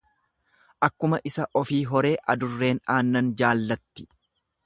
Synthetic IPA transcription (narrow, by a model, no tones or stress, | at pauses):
ʔɐkːʊmɐʔɪsɐʔɔfiːɦɔɾe̞ːʔɐ̰d̪ʊrːe̞ːnaːnːɐnd͡ʒaːlːɐt̪ːɪ̥